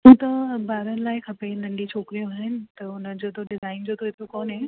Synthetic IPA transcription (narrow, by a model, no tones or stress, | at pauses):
ɦũːt̪ɐbaːɾənɪ̆laːɪkʰɐpenɐlĩt͡ɕʰoːkɾijũaːɦɪnɪ̆t̪ɐʊnəd͡ʑoːt̪ʰoɖezaːɪnd͡ʑoːt̪ʰoɪt̪ʰjokoːnɦẽ